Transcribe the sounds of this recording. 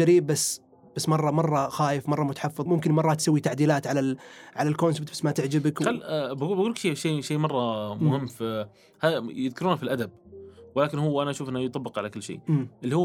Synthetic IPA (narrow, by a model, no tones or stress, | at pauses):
aɾiːb̚basː | b̥asːmɑrˤːɑmɑrˤːɑxaːjɪfmɑrˤːɑmʊt̪ḁħɑfːɨðˤmʊmkɪnmɑrˤːɑt̪sawːit̪aʕd̪iːlaːt̪ʕalaʕalalkonsɪbt̪basːmat̪ɪʕd͡ʒɪbɪkalːbaɡuːbaɡuːlkʃeːʃeːʃeːmɑrˤːɑmʊhɪmːfi | haːjɪðkɪɾuːnfilʔad̪ab̚wɪlaːkɪnhuːʔanaʔaʃuːfʔɪnːajt̪ˤɑbːɪqʕalakɪlːʃḛːmːʔɪlːihuː